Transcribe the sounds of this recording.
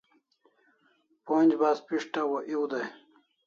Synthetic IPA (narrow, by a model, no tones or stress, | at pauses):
ponʲd͡ʑbaːspiʂʈawoʔiwd̪aj